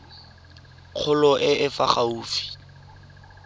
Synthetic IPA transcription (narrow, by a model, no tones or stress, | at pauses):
q͡χʰʊlɔʔɪʔɪfaχauːfi̥